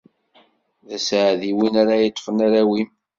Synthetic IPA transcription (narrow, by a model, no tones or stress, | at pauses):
ðæsʕðiwinaɾajit̪ˤːfənaɾæwim